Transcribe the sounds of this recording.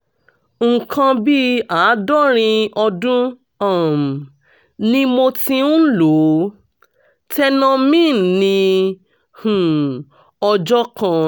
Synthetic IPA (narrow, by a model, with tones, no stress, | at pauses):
ŋ̩˨kã˧bi˦a˨˦dɔ˦ɾ̃ĩ˧ɔ˧dũ˦ | a˦˨m˨ | nĩ˧mo˧tĩ˧n̩˦lo˨˦ | tɛ˧nã˧mĩ˦˨nĩ˧ | hũ˨ | ɔ˧d͡ʒɔ˦kã˧